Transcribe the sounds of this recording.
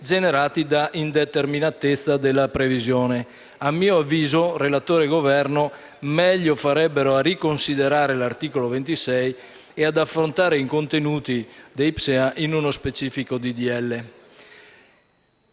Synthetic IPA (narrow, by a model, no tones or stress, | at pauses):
d͡ʒeneɾaːt̪id̪aʔind̪et̪erminat̪et̪sːad̪elːapɾevizjoːne | amːiːoavːiːzorelat̪oːɾeɡovɛrno | mɛʎːofaɾɛbːeɾoarikonsid̪eɾaːɾelart̪iːkolovent̪isɛj | ead̪afɾont̪aːɾeikont̪enuːt̪id̪ejpseaʔinunospet͡ʃiːfikod̪id̪iɛlːe